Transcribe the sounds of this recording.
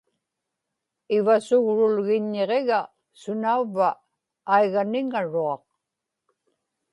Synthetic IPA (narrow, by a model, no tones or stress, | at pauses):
ɪvasʊɣɻʊlɣɪɲːeʁeɣa | sʊnauvːaː | jɣanɪŋaɻuɑq̚